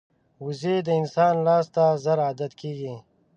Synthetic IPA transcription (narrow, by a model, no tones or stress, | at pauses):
wuzed̪əɪnsɑːnlaːst̪azɐɾaːd̪ɐt̪kiːɡi